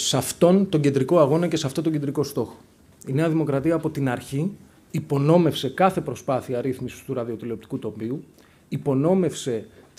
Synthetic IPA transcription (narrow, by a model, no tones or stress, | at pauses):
sɐft̪o̞nt̪o̞ɲɟend̪ɾiko̞ɐɣo̞nɐce̞sɐft̪ot̪o̞ɟe̞nd̪ɾiko̞st̪o̞xo̥ | ine̞ɐðimo̞kɾɐt̪iɐːpo̞t̪inɐɾçiː | po̞no̞me̞fse̞kɐθe̞pɾo̞spɐθiɐɾiθmisi̥st̪uɾɐðio̞t̪ileo̞p̚t̪i̥kut̪o̞mbiu | ipo̞no̞me̞fse̞